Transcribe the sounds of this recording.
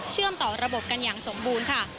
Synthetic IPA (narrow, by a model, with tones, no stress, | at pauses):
t͡ɕʰɯ˥˩əmt̪ɔː˨˩ɾa˧bo˨˩p̚ka˧njaː˨˩ŋso˩˦mbuː˧nkʰa˥˩